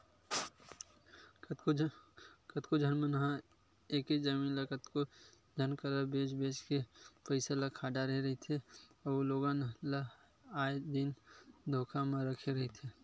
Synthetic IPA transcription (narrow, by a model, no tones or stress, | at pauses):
kət̪kod͡ʒʱənmənɦã | eːkid͡ʒəmiːnləkət̪ko | d͡ʒʱənkəɾəbeːt͡ʃbeːt͡ʃkepəɪsalakʰaːɖaɾəɦeɾəɦet̪ʰeloːɡanla | aːed̪ind̪ʱoːkʰamẽɾəkʰeɾɐɦet̪ʰe